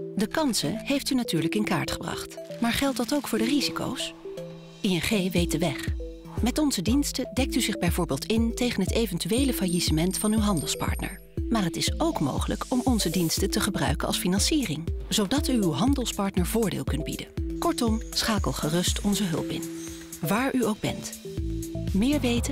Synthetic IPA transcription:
dəkɑnsəɦejftynatyːɹləkɪnka̰ːɹtχəbrɑ̰χtmaːɹχɛlˠt̚dɑtowkfʊːɹdəriziko̰ws | iɛnχejʋejt̚dəʋɛχ | mɛtɔnzədinstədɛk̚tyzɪχbɛjvʊːɹbeːlˠtɪntejχənɦətejvɛntyʋejləfajisəmɛntfɑnywɦɑndəlˠspɑ̰ɹtnə̰ɹ | maːrɦətɪsowkmo̰wχələkɔmɔnzədinstətəχəbrœ̰ɥkənʔɑ̰lˠsfinɑnsiːrɪŋz̥owdɑtyːwɦɑndəlˠspɑɹtnəɹv̥ʊːɹdɪ̰ːlˠkɵnd̚bḭdəkɔɹtɔmsχaːkəlˠχərɵstʰɔnzəɦɵ̰lˠpɪ̰n | ʋaːɹʔyowɡ̚bɛ̰nt | mɪːɹʋejtə

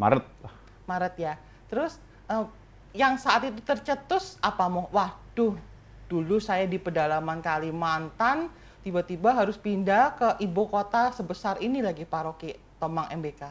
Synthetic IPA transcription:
ma̰ɾət̪̚ | maɾət̪̚ja | t̪əɾʊs | ʔə | jaŋsaʔat̪it̪ut̪ərt͡ʃət̪ʊsapamʊwad̥ʊh | d̥ulusajadipədalamankalimant̪an | t̪ibat̪ibaɦaɾʊspindakəʔibokot̪asəbəsarinilaɡipaɾoki | t̪omaŋɛmbeka

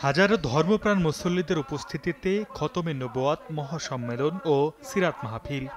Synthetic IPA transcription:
had͡ʑaɾd̪ʱɔɾmopɾanmosolːid̪eɾupost̪ʰit̪it̪ekʰɔt̪omenːoboat̪mɔɦaʃɔmːelonosiɾat̪maɦafʰil

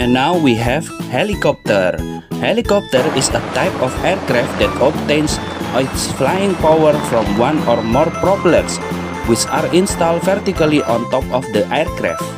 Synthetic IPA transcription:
ɛ̃nːawwiɦɛvhɛlikɔp̚t̪ər | hɛlikɔp̚t̪əɾɪsət̪aɪpɔfɛɹkɾaft̪̚d̪ɛt̪ɔp̚t̪ẽns | sflajɪ̃ŋpawəɹfɹɔ̃mwãnɔɹmɔɹpɾɔblɛ̃ms | wɪt͡ʃaɹĩnst̪aldfɛrt̪ikaliʔɔ̃nt̪ɔpɔfd̪əʔɛɹkɾa̰ft̚

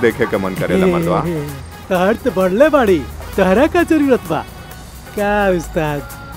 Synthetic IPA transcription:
d̪ekʰekemənkəɾḛlaeəʋa̰ | t̪əɦəɾt̪ebəɽlebaɽit̪əɦɾakad͡zəɾiɾət̪ʰba̰ | kaʋist̪ad̪

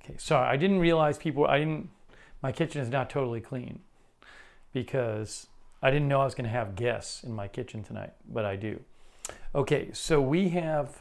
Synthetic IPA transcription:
oʊkʰeɪsɑɹiʔa̰ɪdɪdⁿn̩t̚ɹiəlaɪz̥pʰipl̩ˠa̰ɪɾɪdⁿn̩tmaɪkʰɪt͡ʃɨ̃nɨznətʰoʊɾl̩ˠikʰl̥ḭ̃n | b̥ɨkʰʌz̥aɪɾɪdⁿn̩nːoʊaɪwʌzɡʌñɨːvɡɛssɨ̃nmaɪkʰɪt͡ʃɨ̃n̩tʰɨna̰ɪt̚b̥ʌɾaɪdʉ̰ | ʔoʊkʰeɪsoʊwiɨv̥

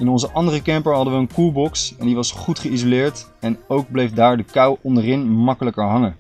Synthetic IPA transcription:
ɪnɔnzəʔɑndərəkɛmpəɹɦɑdəʋəənkulˠbɔksɛndiʋɑsχutχəizolɪːɹtɛnowɡ̚blejfdaːɹdəkɑwɔndərɪnmɑkələkəɹɦɑŋə

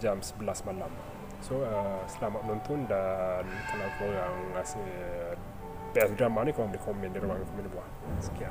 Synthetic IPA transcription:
d͡ʒamsəbəlasmalam | soəsəlamat̪̚ənɔnt̪ʊndankalawkoɾaŋːasi | bɛsdɾamanikoɣaŋbəlihkomɛndiɾuwaŋdikomɛnibuah | sə̥kia

